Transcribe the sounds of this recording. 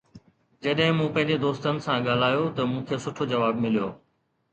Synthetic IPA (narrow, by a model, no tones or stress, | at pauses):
d͡ʑɐɗɦɪ̃mũːpɐ̃ɦɪ̃ɲd͡ʑed̪oːst̪ənɪ̆sãɠaːl̤aːjot̪ɐmũːkʰeːsʊʈʰod͡ʑɐʋaːbmɪlijoː